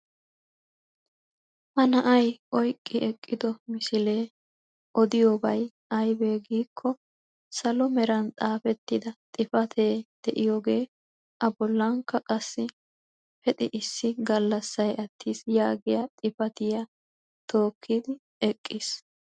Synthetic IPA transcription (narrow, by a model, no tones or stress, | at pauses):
ʔɐnɐʔɐjʔɔjkʼːɪʔɛkʼːɪd̪ɔmɪsɪle̞ː | ʔɔd̪ɪjoːbɐj | ʔɐjbe̞ːɡiːkʰːɔ | sɐlɔmɛɾɐnt͡sʼaːfɛt̪ːɪd̪ɐt̪ʼɪfɐt̪ʰe̞ːd̪̥ɛʔɪjoːɡe̞ː | ʔɐbɔlːɐŋkːɐkʼɐsːɪ | fɛt̪ʼɪʔɪsːɪɡɐlːɐsːɐjɐt̪ʰːiːsjaːɡɪjɐt̪ʼɪfɐt̪ɪjɐ | t̪ʰo̞ːkʰːid̪ɪ | ɛkʼːiːs